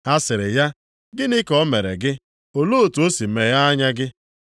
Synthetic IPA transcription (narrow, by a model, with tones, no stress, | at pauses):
a˦sɪ˨ɾɪ˨ja˦ | ɡɪ˦nɪ˦kɔ˦me˨ɾḛ˨ɡɪ˦ | o˨lo˦o˨tu˨o˦si˨m̩˨me˨ja˦a˦ɲa˦ɡɪ˦